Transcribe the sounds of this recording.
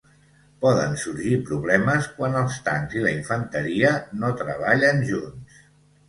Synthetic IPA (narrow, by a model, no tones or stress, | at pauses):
pɔðə̰nsuɾʒipɾuβlɛməskwanəlˠst̪a̰nziləiɱfənt̪əɾiənot̪ɾə̰βaʎənʒuns